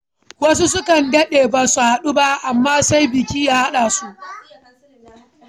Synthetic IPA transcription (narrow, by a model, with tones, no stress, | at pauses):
wɐ˦s̬u˦s̬ʊ˦kɐ˨ndɐ˦ɗeː˨baː˨su˨ha˨ɗu˦ba˦ʔa˨mːaː˦sa˦jbɪ˨kʲiː˦ja˦˨ha˦ɗaː˨su˦ʔ